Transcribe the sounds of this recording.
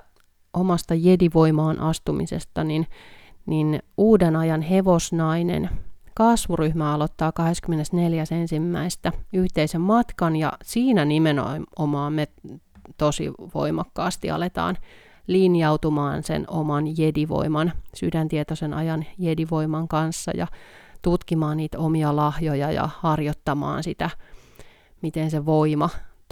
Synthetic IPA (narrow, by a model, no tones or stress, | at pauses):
omɑst̪ɑjediʋoimɑːnʔɑst̪umḭsḛst̪ɑninninuːdenɑjɑnɦeʋosnɑinḛnkɑsʋuryhmæɑlot̪ːɑːkɑheskymːenesneljæsensimːæist̪æyht̪eisemmɑt̪kɑnjɑ̰siːnænimeno̰momɑːmmet̪osḭʋo̰imɑkːɑːst̪iɑ̰let̪ɑ̰ːn | liːnjɑut̪umɑːnsḛnomɑnjediʋo̰imɑnsydænt̪iet̪osenɑjɑnjediʋoimɑŋkɑnsːɑ̰jɑ̰t̪ut̪kimɑːnniːt̪omiɑlɑhjojɑjɑ̰hɑrjot̪ːɑmɑ̰ːnsit̪æ | mit̪enseʋoimɑ